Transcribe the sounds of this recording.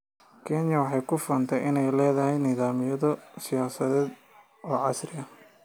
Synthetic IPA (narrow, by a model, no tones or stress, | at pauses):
kʰɛnjɐwɑħɑjkʰʊfɔːnt̪ʰɛjʔɪnɛjlɛːðɐɦɛjnɪðaːmɪjɐðɔsɪjaːsɐðɛːd̪ | ɔːʕɑsrɪɐ